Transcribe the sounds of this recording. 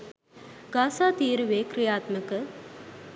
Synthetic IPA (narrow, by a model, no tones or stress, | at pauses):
ɡaːsaːt̪iːɾuʋeːkɾijaːt̪məkə